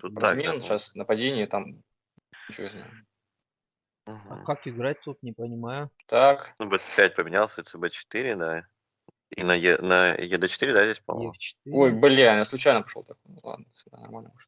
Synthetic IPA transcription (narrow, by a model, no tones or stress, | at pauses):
t̪ut̪ːazmʲenɕasnəpɐdʲenʲɪɪt̪amʲ | nʲɪt͡ɕozna̰jʊ | m̩ɐkakɪɡɾat̚ʲt̪ut̪nʲɪpənʲɪmajʊt̪aknubɛt̪spʲæt̚ʲpəmʲɪnʲalˠsʲət̪sɨbɛt͡ɕɪ̥t̪iɾʲɪd̪a | ḭnəjɛnəjɛd̪ət͡ɕɪ̥t̪iɾʲɪd̪azʲdʲesʲpo̰ɪ̥ojbɨlʲejaslˠʊt͡ɕæjnəpɐ̥ʂlo̰t̪ɐkojnʊlˠa̰d̪̚nəfsʲɪɡd̪a̰nɐ̰rmalʲnəmoʐt̪